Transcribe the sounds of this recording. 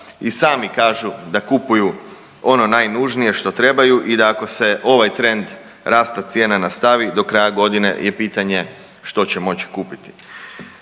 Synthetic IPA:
isaːmikaːʒud̪akupuju | o̞no̞naːjnuʒnije̞ʃt̪o̞t̪ɾe̞bajuʔid̪aːko̞se̞ʔo̞ʋajt̪ɾe̞nd̪ | ɾaːst̪at̪sje̞ːnanast̪aʋid̪o̞kɾajaɡo̞d̪ine̞̰jepiːt̪aɲe̞ | ʃt̪o̞t͡ɕe̞mo̞t͡ɕi̥kuːpit̪i̥

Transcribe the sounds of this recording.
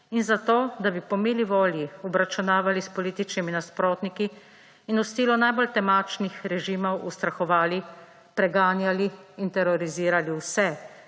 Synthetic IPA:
inzat̪oːd̪abipɔmeːliʋoːljiɔbɾat͡ʃunaːʋalispɔliːt̪it͡ʃniminaspɾoːt̪nikiː | nɔst̪iːlɔnajbolt̪ɛmaːt͡ʃnixɾɛʒiːmɔwust̪ɾaxɔʋaːli | pɾɛɡaːnjaliː | nt̪ɛɾɔɾiziːɾaliwsɛ

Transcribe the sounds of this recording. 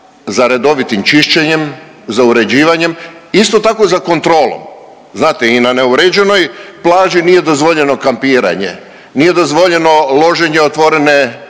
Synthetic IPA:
zaɾe̞d̪o̞ʋit̪imt͡ʃiʃt͡ɕeɲe̞m | zauɾe̞d͡ʑiːʋaɲe̞mist̪o̞t̪ako̞zako̞nt̪ɾo̞ːlˠo̰m | znaːt̪einane̞uɾed͡ʑe̞no̞jplˠaːʒiniːje̞d̪o̞zʋo̞ʎe̞no̞kampiːɾa̰ɲe̞̰ | nije̞d̪o̞zʋo̞ʎe̞no̞lˠo̞ʒe̞ɲeot̪ʋo̞ɾe̞ne̞

